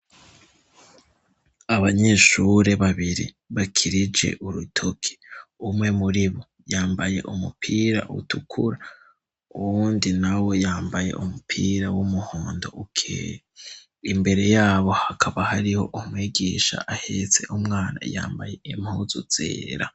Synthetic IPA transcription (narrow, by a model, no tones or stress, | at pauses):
aβaɲe̞ːʃuɾe̞βaβiɾḭ | βakʰiɾid͡ʒe̞̰ʔuɾutʰokʰi̥umŋe̞muɾiβo | jaːmbaje̞̰ʔumupʰiːɾa̰ʔṵtʰukʰuɾa | uwuːndinawo̞jaːmbaje̞̰ʔumupʰiːɾawumuhoːndo̞ʔukʰː | imbe̞ɾe̞jaːβo̞hakʰaβahaɾiho̞̰ʔumwiːɡiːʃa̰ʔahet͡se̞̰ʔumŋaːna̰ja̰ːmbaje̞imhuzuz̥ḛːɾa̰